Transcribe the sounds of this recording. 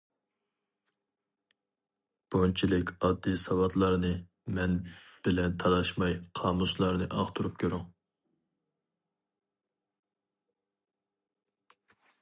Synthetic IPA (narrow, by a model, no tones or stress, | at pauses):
b̥ont͡ʃʰilɪkʲɑd̪ːɨsɑwɑt̪lˠɑɾnɨ | mɛnb̥ɪlɛnt̪ʰɑlˠɑʃmɑjqʰɑːmuslˠɑɾnɨʔɑχt̪ʰuɾup̚kʲʰøɾyŋ